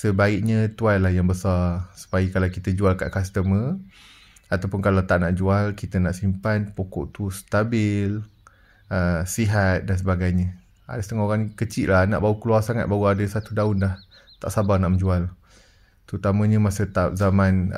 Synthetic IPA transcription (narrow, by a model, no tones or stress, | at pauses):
səbaɪʔ̚ɲət̪uanlahjaŋbəsarsu̥paikalawkit̪əd͡ʒualka̰ʔkast̪əmə | at̪awpʊnkalawt̪aʔ̚naʔd͡ʒualkit̪ənaʔsimpanpokɔ̰ʔt̪ust̪abɪl | əsiɦat̪̚dans̬əbaɡajɲə̃ | a̰dasət̪əŋɔɦoɣaŋkət͡ʃiʔ̪lahna̰ʔbaukluarsaŋat̪̚baɣuadəsat̪udaʊnlah | t̪a̰ʔsabarnaʔməɲd͡ʒual | t̪əɾut̪amə̃ɲəmasət̪ap̚zaman